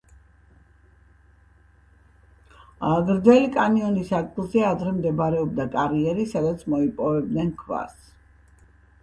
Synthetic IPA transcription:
ɡɾd̪zɛlikʼaniɔnisakʼlˠzɛad̪ɾɛmd̪ɛbɾɛɔbd̪akʼaɾiɛɾisad̪at̪sʰmɔipʼɔvɛb̚d̪nɛnkʰva̰s

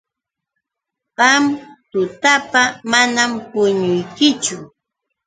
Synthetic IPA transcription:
ɢɑmt̪ʊt̪apamanampʊɲʊjkɪt͡ʃʊ

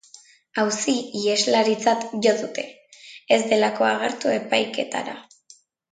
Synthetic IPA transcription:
awsiie̞zlaɾit͡sat̪ʝo̞ðut̪e̞ | ezd̪e̞lako̞aɣe̞ɾt̪ue̞pajke̞t̪a̰ɾa

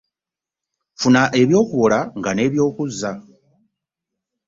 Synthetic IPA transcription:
funaʔe̞βjo̞ːkuβolaŋɡane̞ːβjo̞ːkuza

